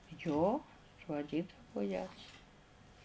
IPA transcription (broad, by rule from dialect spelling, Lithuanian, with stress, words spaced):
joː sʊɐˈdʲiːdɐʋʊ jɛs